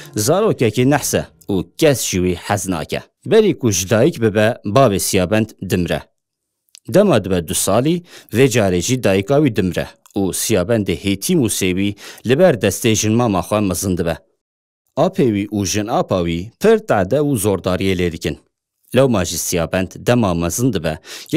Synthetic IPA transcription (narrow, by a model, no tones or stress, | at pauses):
zɑːɾoːkɛkenæħsɛ̰ | uːkɛsʒ̥iwiːħæznɑ̰ːkɛ̰ | bɛɾiːkʰʊʒɨd̪ɑːjikbɨbɛbɑːveːsijɑːbɛnd̪d̪ɨmɾɛ̰ | d̪ɛmɑːd̪ɨbɛd̪ʊsɑːliːveːd͡ʒɑːɾeʒiːd̪ɑːjikɑːwiːd̪ɨmɾɛ̰ | uːsijɑːbɛnd̪eheːt̪ʰiːmuːsewiːlɨbɛɾd̪ɛst̪eʒɨnmɑːmɑːxʷɛmɛzɨnd̪ɨbɛ | ɑːpʰeːwiːʔuːʒɨnɑːpʰɑːwipʰɨɾt̪aʕd̪ɛuzoːɾd̪ɑːɾieːleːd̪ɨkɨn | lɛwmɑːʒisijɑːbɛnd̪d̪ɛmɑːmɛzɨnd̪ɨbɛ